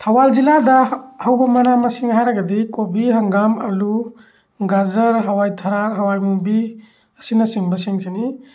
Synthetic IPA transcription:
tʰawald͡ʒiladɐhawbɐmɐnamɐsiŋhajɾɐɡɐdikobiɦɐŋɡamɐ̰lu | ɡazɐɾɦawajtʰɐɾakɦɐwajmubi | ɐsinɐsiŋbɐsiŋsini

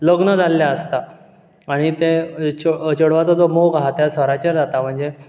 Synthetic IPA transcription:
ləɡnəd͡zʱalːjaəst̪a | aɽ̃it̪et͡ɕot͡ɕəɽʋat͡sɔd͡zomoɡaɦat̪jasəɾat͡ɕeɾd͡zat̪am̤əɳd͡ze

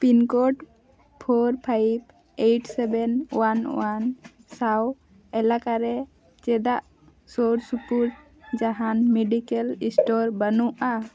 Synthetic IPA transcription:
pinkɔʈ | pʰoɾpʰajb | ejʈsɛbɛnwanwansaw | ɛlakaɾɛ | t͡ʃɛd̪aʔ | soɾsupuɾʈ̚ | d͡ʒaɦanmɛɖikɛlisʈɔɾbənuʔa

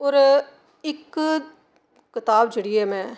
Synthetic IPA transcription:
oːɾ | ɪk | kɪt̪aːbd͡ʒəɽieːmɛ̃ː

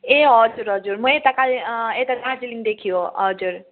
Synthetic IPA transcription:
eɔd͡ʒuɾɔd͡ʒuɾmuet̪akalet̪əkad͡ʒiliŋd̪ekʰijoʌd͡ʒuɾ

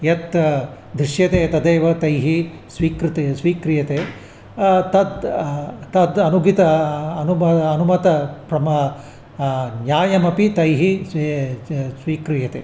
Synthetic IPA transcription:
jɐt̪ | d̪ɾiʃjɐt̪eːt̪ɐd̪eːʋɐt̪ɐjɦi | sʋiːkɾt̪esʋiːkɾijɐt̪eː | t̪ɐd̪ | t̪ɐd̪ɐnuɡʱit̪ɐɐnumɐːnumɐt̪ɐpɾɐmɐ | njaːjɐmɐpit̪ɐjɦi | sʋiːkɾijɐt̪ḛː

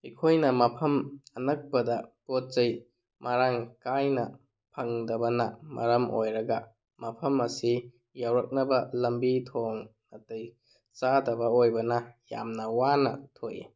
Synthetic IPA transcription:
ikʰojnɐmɐpʰɐmɐnɐk̚pɐdɐpot̚t͡ʃɐj | mʔaɾaŋkajnɐ | pʰɐŋdɐbɐnɐmɐ̰ɾɐmo̰jɾɐɡɐ | mɐpʰɐmɐsi | jawɾɐk̚nɐbɐlɐmbitʰoŋnɐtɐj | t͡ʃadɐbɐojbɐnɐja̰mnɐwanɐ̰tʰojḭ

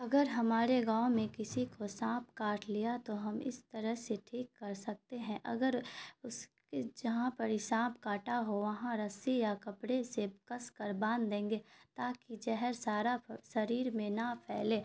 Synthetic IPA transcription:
ɐɡəɾɦɐmaːɾeɡãːwmẽkɪsikosãːpkaːɾʈlijat̪oɦɐmɪ̰st̪ɐɾəɦseʈʰiːkːɐɾsɐk̚t̪eɦɛ̃ʔɐ̰ɡəɾʊs | ed͡ʒɐɦãpɐɾɪsãːpkaːʈaɦoʋɐɦãɾɐsijakɐpɽesekɐskɐɾbãːnd̪d̪ẽːŋɡet̪aːkid͡ʒɛɦɛɾsaːɾasɐɾiːɾmẽnɐpʰɛːleː

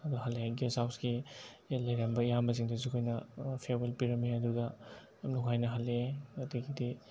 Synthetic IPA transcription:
ɐduhalːeɡesawsɡilɐjɾambɐijambɐz̬iŋdɐzikʰojnɐpʰebelpiɾɐmːiɐduɡɐ | mnuŋɦajnɐɦalːeɐtiɡidi

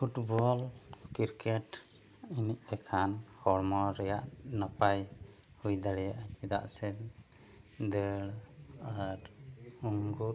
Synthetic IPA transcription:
pʰuʈbɔlkiɾkɛʈ | iniʔ̚ɛkʰanhɔɽmɔɾɛjaʔnapaj | hujd̪aɽɛjaʔt͡ʃɛd̪a̰ʔsɛ | d̪əɽaɾuŋɡut

